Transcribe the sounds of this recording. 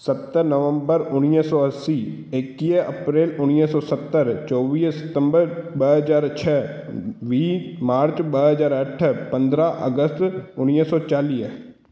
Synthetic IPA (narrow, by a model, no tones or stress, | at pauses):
sət̪ːəɾnəʋə̃mbəɾʊnjəsɔːəsiː | ekiəpɾeːlʊnjəsɔːsət̪ːəɾt͡ʃɔːʋiːsət̪ə̃mbəɾbəɦəzaːɾt͡ʃʰɛː | ʋiːmaːɾt͡ʃbəɦəzaːɾəʈʰːpə̃nd̪ɾaʔə̰ɡəst̪ʊnjəsɔːt͡ʃaːliː